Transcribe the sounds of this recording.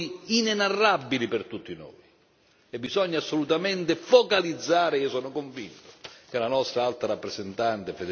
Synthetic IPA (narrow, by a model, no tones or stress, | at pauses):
iinɛnarːabːilipɛrt̪ut̪ːino̰ːi | ɛbːizɔɲːasːolut̪amɛnt̪ɪfokalid̪zːaːɾɪiːosɔːnʊkoɱvint̪ʊ̥k̟ɪlanɔst̪ɾaalt̪ɾaɾapːɾɛzɛnt̪ant̪ɪfed̪